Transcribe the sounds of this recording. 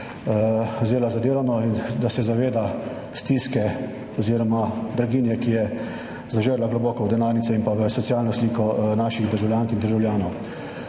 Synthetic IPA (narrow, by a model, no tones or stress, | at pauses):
zeːlazad̪eːlanɔind̪asɛzaʋeːd̪a | st̪iːskɛ | ɔziːɾɔmad̪ɾaɡiːnjɛkijɛ | zaʒəɾlaɡlɔbɔːkɔwd̪ɛnaːɾnit̪sɛimpaʋəsɔt̪sijaːlnɔsliːkɔnaːʃiɣd̪əɾʒawlʲjaːŋkind̪əɾʒawlʲjaːnɔw